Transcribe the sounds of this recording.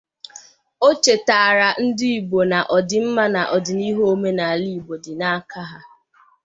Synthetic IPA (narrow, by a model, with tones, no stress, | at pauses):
o˦t͡ʃe˨taː˨ɾa˨n̩˦dɪ˦i˨bo˨na˨ʔɔ˨dɪ˨m̩˦ma˦na˨ʔɔ˨dɪ˨ni˦ɦo˦o˦me˦na˨a˨li˦˨bo˨dɪ˨na˦a˦ka˦ɦa˦